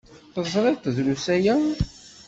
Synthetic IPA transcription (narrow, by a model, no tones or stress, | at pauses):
θəzˤɾˤɪt̪ˤðlusæjæ